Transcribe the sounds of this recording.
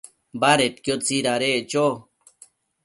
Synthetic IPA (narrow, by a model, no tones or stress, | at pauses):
baɾet̪̚kjot͡siɾaɾet͡ʃo